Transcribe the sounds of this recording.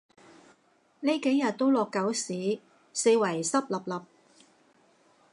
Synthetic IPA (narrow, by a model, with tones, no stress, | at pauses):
ne˥jke˨˥jɐ˨t̚t̪o˥wlɔː˨˧kːɐ˨˥wsiː˨˥ | se˧jwɐ˨˩jsɐ˥p̚lɐ˨p̚lɐ˨p̚